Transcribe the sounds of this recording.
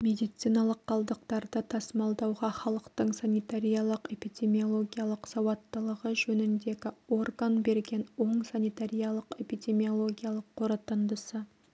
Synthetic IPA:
mʲe̞d̪ijt̪sijnɑlˠəqʰːɑlˠd̪əqt̪ɑɾd̪ət̪ʰɑsmɑlˠd̪ɑwʁɑχɑlˠəqt̪əɴsanijt̪aɾʲijɑlˠəqe̞pijd̪ʲe̞mʲio̞lˠo̞ɡʲijalˠəqsɑwɑt̪ːəlˠəʁəʒɵnɪnd̪e̞ɡʲɪo̞rɡanbe̞ɾɡʲe̞nwo̞ɴsanijt̪aɾʲijɑlˠəqe̞pid̪ʲe̞mio̞lˠo̞ɡʲijalˠəqʰːo̞ɾɑt̪ənd̪əsə

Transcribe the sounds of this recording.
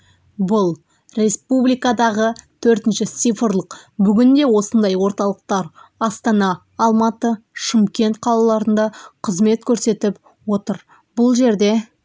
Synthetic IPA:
bʊlˠ | ɾʲe̞spublijkɑd̪ɑʁət̪ʰɵɾt̪ɪnʃɪt̪sijfəɾlˠəqbʏɡʲɪnd̪e̞wo̞sənd̪ɑjwo̞ɾt̪ɑlˠəq̚t̪ɑɾɑst̪ɑnɑː | lˠmɑt̪əʃɪmkʲe̞nt̪̚qʰɑlˠɑlˠɑɾənd̪ɑqʰəzme̞t̪kʲʰɵɾse̞t̪ɪp | wo̞t̪əɾ | b̥ʊlˠʒe̞ɾd̪e̞

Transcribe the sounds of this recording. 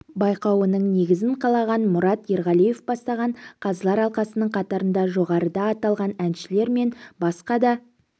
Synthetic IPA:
bɑjqɑwənəɴne̞ɡʲɪzɪɴqʰɑlˠɑʁɑnmʊɾɑt̪jeɾʁɑlˠije̞fbɑst̪ɑʁɑɴqʰɑzəlˠɑɾɑlˠqɑsənəɴqʰɑt̪ɑɾənd̪ɑʒo̞ʁɑɾəd̪ɑːt̪ɑlˠʁɑnænʃɪle̞ɾme̞nbɑsqɑd̪ɑ

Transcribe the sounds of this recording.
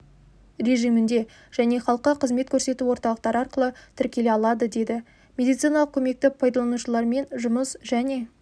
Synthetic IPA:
ɾe̞ʒijmɪnd̪e̞ | ʒ̥æne̞χɑlˠqəqʰəzme̞t̪kʲʰɵɾse̞t̪uwo̞ɾt̪ɑlˠəqt̪ɑɾəɑɾqəlˠət̪ʰɪɾkʲe̞le̞ɑlˠɑd̪əd̪e̞d̪ɪ | mʲe̞d̪ijt̪sijnɑlˠəq̚kʲʰɵme̞k̚t̪ɪpʰojd̪ɑlˠɑnuʃəlˠɑɾme̞nʒʊməsʒæne̞

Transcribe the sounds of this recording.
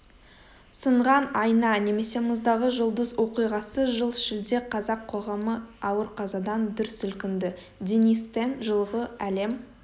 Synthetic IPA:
səɴʁɑnɑjnɑne̞me̞se̞mʊzd̪ɑʁəʒʊlˠd̪əzwo̞qijʁɑsəʒəlˠʃɪld̪e̞qʰɑzɑqʰːo̞ʁɑməɑwəɾqʰɑzɑd̪ɑnd̪ʏɾsʏlkʲɪnd̪ɪ | d̪ʲenist̪enʒəlˠʁəæle̞m

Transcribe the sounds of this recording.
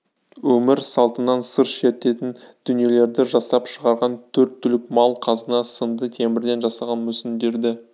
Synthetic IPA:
wɵmɪɾsɑlˠt̪ənɑnsəɾʃe̞t̪ːe̞t̪ɪnd̪̥ʏnije̞le̞ɾd̪ɪʒɑsɑpʃəʁɑɾʁɑnt̪ʰɵɾt̪ʰːʏlɪkmɑlˠqʰɑzənɑsənd̪ət̪ʰe̞mɪɾd̪e̞nʒɑsɑʁɑnmɵsɪnd̪e̞ɾd̪ɪ

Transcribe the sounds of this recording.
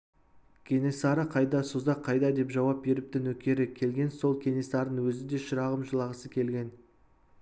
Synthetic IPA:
kʲʰe̞ne̞sɑɾəqʰɑjd̪ɑsuzɑqʰːɑjd̪ɑd̪e̞pʒɑwɑp̚be̞ɾɪp̚t̪ɪnwɵkʲe̞ɾɪkʲʰe̞lɡʲe̞nso̞lˠkʲʰe̞ne̞sɑɾd̪ənwɵzɪd̪e̞ʃəɾɑʁəmʒəlˠɑʁəsəkʲʰe̞lɡʲe̞n

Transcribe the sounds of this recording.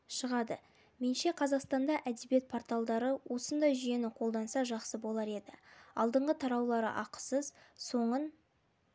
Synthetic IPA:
ʃəʁɑd̪ə | me̞nʃe̞qʰɑzɑqst̪ɑnd̪ɑʔæd̪ebije̞t̪̚pʰo̞ɾt̪alˠd̪ɑɾəwʔo̞sənd̪ɑjʒʏje̞nɪqʰo̞lˠd̪ɑnsɑʒɑqsəbo̞lˠɑɾe̞d̪ɪɑ̰lˠd̪əɴʁət̪ʰɑɾɑwlˠɑɾə̰ʔɑqə̥səzso̞ɴən

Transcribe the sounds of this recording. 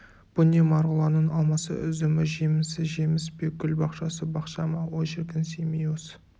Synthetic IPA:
b̥ʊnemɑɾʁəlˠɑnəɴɑlˠmɑsə̰ʏzɪmɪʒe̞mɪsɪʒe̞mɪspekʲʰʏlbɑqʃɑsəbɑqʃɑmɑwoʒɪɾkʲɪnsemijos

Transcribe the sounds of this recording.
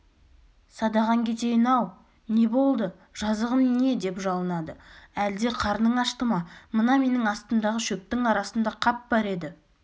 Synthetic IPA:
sɑd̪ɑʁɑŋkʲʰe̞t̪e̞jɪnɑw | ne̞bo̞lˠd̪ə | ʒ̥ɑzəʁənne̞d̪e̞pʒɑlˠənɑd̪əæld̪e̞qʰɑɾnəɴɑʃt̪əmɑmənɑme̞nɪŋɑst̪ənd̪ɑʁəʃɵp̚t̪ɪŋɑɾɑsənd̪ɑqʰɑp̚bɑɾe̞d̪ɪ

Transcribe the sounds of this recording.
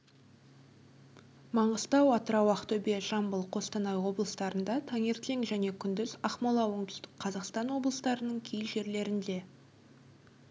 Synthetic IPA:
mɑɴəzt̪ɑwɑt̪əɾɑwɑqt̪ɵbe̞ʒɑmbəlˠqʰo̞st̪ɑnɑjwo̞blˠəst̪ɑɾənd̪ɑt̪ʰɑŋeɾt̪lʲeŋʒæne̞kʲʰʏnd̪ɪzɑχmɑlˠɑwoɴt̪ʏst̪ɪkqʰɑzɑqst̪ɑnwo̞blˠəst̪ɑɾənəɴkʲʰejʒe̞ɾle̞ɾɪnd̪e̞

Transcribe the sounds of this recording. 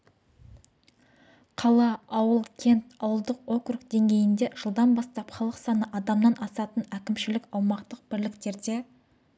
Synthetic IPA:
qʰɑlˠɑɑwəlˠkʲʰe̞nt̪ɑwəlˠd̪əqo̞krukd̪e̞ŋɡʲe̞jɪnd̪e̞ʒ̥əlˠd̪ɑnbɑst̪ɑpχɑlˠəqsɑnəʔɑd̪ɑmnɑnʔɑsɑt̪ənækʲɪmʃɪlɪkɑwmɑqt̪əq̚bɪɾlɪkt̪e̞ɾd̪e̞

